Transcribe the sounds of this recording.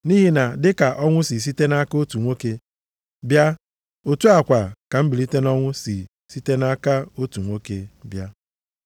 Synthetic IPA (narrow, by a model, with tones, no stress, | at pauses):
ni˦ɦi˦na˨dɪ˦ka˨ʔɔ˦ŋʷʊ˦si˨s̬i˦te˦na˦ka˦o˦tu˨ŋʷo˦ke˦ | bja˦ | o˨tu˦a˨kʷa˨ka˨m̩˦bi˨li˦te˦nɔ˦ŋʷʊ˦si˨ | si˦te˦na˦ka˦o˦tu˨ŋʷo˦ke˨˦bja˦